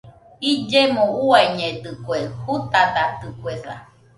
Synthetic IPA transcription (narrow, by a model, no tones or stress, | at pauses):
id͡ʒemõuaiɲẽd̪ɨkʷehut̪ad̪at̪ɯkʷeɾa̰